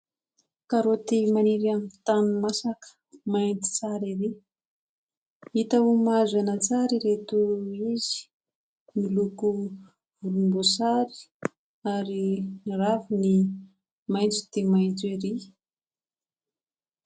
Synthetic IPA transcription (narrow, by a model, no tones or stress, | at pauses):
kaɾot̪imaniɾamit̪anumasakə̥ | maint̪i̥t͡saɾiɾe | it̪aumazanat͡saɾiɾet̪uizi̥ | miluku | vuɾumbosaɾi̥ | aɾiniɾafuni | majnt͡su̥d̪emajnt͡seɾi